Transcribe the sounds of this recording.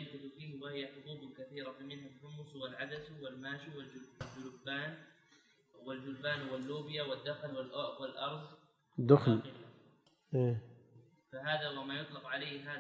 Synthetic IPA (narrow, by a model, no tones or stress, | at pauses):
ɪlfɪθufiːhwɪhɪjːaħʊbuːbʊkaθiːɾafimɪnhalħʊmːʊswɪlʕad̪aswɪlmaːʃuwɪld͡ʒd͡ʒʊlʊbːaːn | wɪld͡ʒʊlbaːnhwɪlːuːbɪjawɪd̪ːaxlwɪlʔʊʔwɪlʔɑɾˤzˤ | d̪ʊxlɪlːa | ʔeː | faɦaːðawamajʊt̪ˤlɑqʕaleːhɦaː